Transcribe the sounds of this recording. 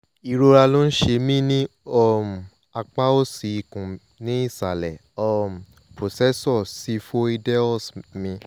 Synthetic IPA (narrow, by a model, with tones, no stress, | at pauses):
i˨˧ɾo˧ɾa˧lo˦n̩˦ʃe˧mĩ˦nĩ˦ɔ˦˨m̩˨ | a˧k͡pa˦o˦si˨i˧kũ˨ | nĩ˦i˦˨sa˨lɛ˨ | ɔ˦˨m̩˨ | pɾo˨sɛ˦sɔ˦˨si˨˦fo˦i˧dɛ˦ɔ˦˨smĩ˧